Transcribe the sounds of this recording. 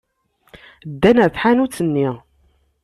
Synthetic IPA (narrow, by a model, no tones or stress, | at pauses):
d̪ːænæθħanut͡sːənːi